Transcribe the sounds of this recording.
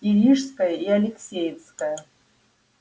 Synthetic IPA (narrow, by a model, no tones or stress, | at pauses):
iɾʲiʂskajaialʲeksʲejskaja